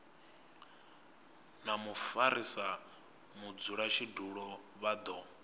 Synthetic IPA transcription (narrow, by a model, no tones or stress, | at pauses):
namufaɾisa | mud͡zuɺat͡ʃʰiduɺɔ | βad̪ɔ